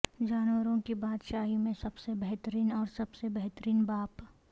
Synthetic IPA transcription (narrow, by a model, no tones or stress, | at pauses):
d͡ʒaːnwəɾõkibaːd̪ʃaːɦimẽsɐbsebɛɦt̪əɾiːnɔːɾsɐbsebɛɦt̪əɾiːnbaːp